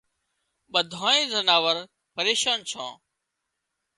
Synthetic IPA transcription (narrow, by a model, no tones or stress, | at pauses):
ɓəd̪ʱãːẽːzənaːʋəɾ | pəɾeːʃaːnt͡ʃʰã̰ː